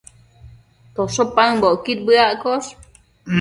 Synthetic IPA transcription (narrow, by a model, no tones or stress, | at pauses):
t̪osopaɨboʔkit̪̚bɨaʔkos | m